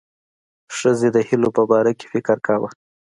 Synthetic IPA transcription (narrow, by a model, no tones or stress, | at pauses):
ʂəzed̪əhilopəbɑɾake̥fɪkəɾkawə̰